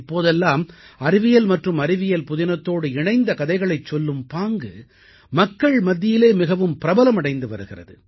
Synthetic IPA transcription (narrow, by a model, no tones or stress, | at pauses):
pːoːðɛlːaːmɐɾɪʋɪjɐlmɐʈrɯmɐɾɪʋɪjɐlpʊðɪnɐt̪ːoːɽɯɪɳɐɪnd̪ɐkɐðɐɪɣɐɭɐɪt͡ʃːɔlːɯmpaːŋɡɯ | mɐkːɐɭmɐd̪ːɪjɪleːmɪɣɐʋɯmpɪɾɐbɐlɐmɐɽɐɪnd̪ɯʋɐ̰ɾɯɣɪrɐ̰ðɯ̰